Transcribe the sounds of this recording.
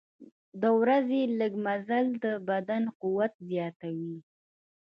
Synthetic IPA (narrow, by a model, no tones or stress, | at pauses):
d̪əwɾazeləɡmazald̪əbad̪anquwat̪̚zjɑt̪awi